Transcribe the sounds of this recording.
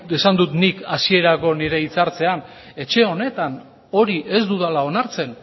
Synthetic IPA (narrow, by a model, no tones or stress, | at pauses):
esand̪ut̪nikasie̞ɾako̞niɾe̞it͡saɾt͡se̞an | e̞t͡ʃe̞o̞ne̞t̪an | o̞ɾiʔe̞zd̪uðalao̞naɾt͡se̞n